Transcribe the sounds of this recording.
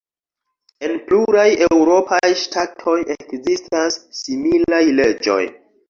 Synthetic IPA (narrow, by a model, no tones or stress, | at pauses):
e̞npluɾaje̞wɾo̞pajʃtʰatʰo̞jʔekzistasːimilajle̞d͡ʒo̞̰j